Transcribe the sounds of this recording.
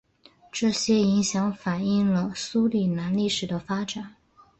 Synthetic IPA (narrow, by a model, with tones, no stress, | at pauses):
ʈ͡ʂɤ˥˩ɕjɛ˥i˧˥ŋɕjɑ˧˥ŋfa˨˩ni˥˩ŋlə˩su˥li˨˩na˧˥nli˥˩ʂɻ̩˨˩d̪ə˦fa˥ʈ͡ʂa˨˩˦n